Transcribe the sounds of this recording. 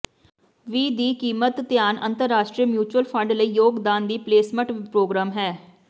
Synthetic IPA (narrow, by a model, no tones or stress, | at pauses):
ʋiːd̪iːkiːmət̪t̪ːɪjaːnʔə̰nt̪əɾːaːʃʈɾiːəmjuːt͡ʃwəlpʰə̃ɳɖləiːjoːɡd̪aːnd̪iːpleːsmə̃ʈpɾoːɡɾaːmɦɛː